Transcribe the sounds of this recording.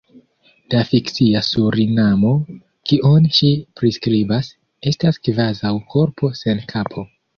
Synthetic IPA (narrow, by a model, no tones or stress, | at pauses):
d̥afikt͡siasuɾinamo̞ | kiʔonʃipɾiskɾibas | e̞staskvazawkʰo̞ɾpʰo̞se̞nkʰapʰo̞